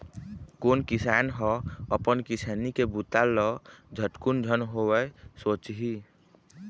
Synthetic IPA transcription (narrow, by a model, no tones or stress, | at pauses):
konkisanɦɔəpənkisanikebut̪alɔd͡ʒʱəʈkund͡ʒʱənɦowəsot͡ʃɦi